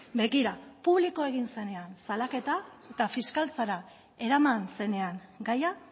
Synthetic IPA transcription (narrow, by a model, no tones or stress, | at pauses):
be̞ɣiɾapuβliko̞e̞ɣ̞inse̞ne̞ansalake̞t̪ae̞t̪afiskalt͡saɾa | e̞ɾamanse̞ne̞aŋɡaja